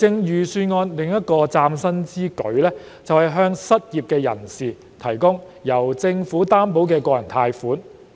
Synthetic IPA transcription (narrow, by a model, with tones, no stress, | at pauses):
t͡sɪ˧ŋjyː˨˩syː˧nŋɔː˧nlɪ˨ŋjɐ˥t̚kɔː˧t͡saː˧msɐ˥nt͡siː˥kɵ̰˨˥ɥlɛː˥ | t͡sɐ˨whɐ˨jɦœː˥ŋsɐ˥t̚jiː˨p̚kɛː˧jɐ̰˨˩nsiː˨˩ | t̪ʰɐ˨˩jkʊ˥ŋ | jɐ˨˩wt͡sɪ˧ŋfuː˨˥t̪aː˥mpo˨˥wkɛː˧kwɔː˧jɐ˨˩nt̪ʰaː˧jfuː˨˥n